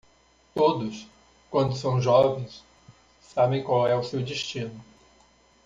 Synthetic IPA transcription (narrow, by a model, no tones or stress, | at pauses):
t̪od̪ʊs | kwɐ̃nd̪ʊsɐ̃w̃ʒɔvẽj̃sː | abẽj̃kwawɛʊsewd͡ʒiʃt͡ʃĩnʊ